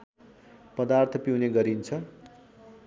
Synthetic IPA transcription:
pʌd̪art̪ʰʌpiwneɡʌɾint͡sʰʌ

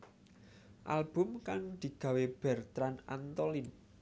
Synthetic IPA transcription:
ʔalb̥ʊ̤mkaŋd̪̥i̤ɡ̥ä̤web̥ɛ̤rt̪ɾana̰nt̪olin

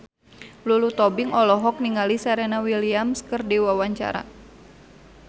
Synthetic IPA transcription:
lulut̪ɔbiŋɔlɔɦɔk̚niŋalisaɾɛnawiliamskərdiwawaɲt͡ʃa̰ɾa̰

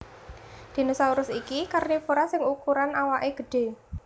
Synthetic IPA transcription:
d̪̥i̤nusauɾʊsikikarnifuɾasɪŋukuɾanawaʔeɡ̥ə̤ɖ̥e̤

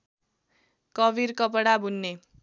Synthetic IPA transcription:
kʌbiɾkʌp̬ʌɽabʱunːe

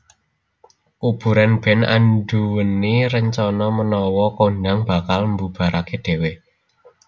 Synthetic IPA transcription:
ʔub̥ṳɾanb̥ɛ̤na̰nɖuwəneɾəɲt͡ʃɔnɔmənɔwɔkondaŋb̥a̤kalmbub̥a̤ɾʔakeɖ̪̥e̤we

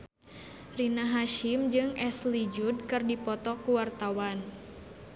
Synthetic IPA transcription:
rinaɦaʃimd͡ʒɨŋʔɛslid͡ʒud̚kɨrdipɔt̪ɔkuwart̪awan

